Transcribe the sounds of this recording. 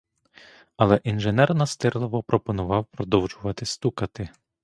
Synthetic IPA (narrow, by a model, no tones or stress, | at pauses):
ɐlˠɛʔinʒenɛrnɐst̪ɪɾlˠɔʋɔpɾɔpɔnʊʋɑwpɾɔd̪ɔwʒʊʋɐt̪ɪst̪ukɐt̪ɪ